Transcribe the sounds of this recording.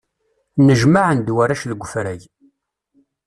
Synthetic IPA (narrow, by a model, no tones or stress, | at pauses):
nəʒmaʕənd̪wæɾæʃləɡʷəfɾæʝ